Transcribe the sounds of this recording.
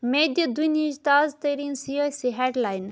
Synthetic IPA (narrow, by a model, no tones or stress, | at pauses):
med̪ɐd̪unid͡ʒt̪aːzt̪əɾinsiosiɦɛɖlaːjn